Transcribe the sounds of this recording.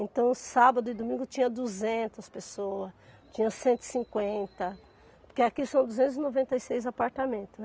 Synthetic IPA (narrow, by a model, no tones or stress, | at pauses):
ẽnt̪ɐ̃w̃sabɐd̪ʊɪd̪omĩŋɡʊt͡ʃĩɲɐ̃d̪uzẽnt̪ɐspesoɐs | t͡ʃĩɲɐ̃sẽnt̪ʊɪ̥sĩkwẽnt̪ɐ | poɾkeakisɐ̃w̃d̪uzẽnt̪ʊzinovẽnt̪ɐjsejzapaɾt̪amẽnt̪ʊ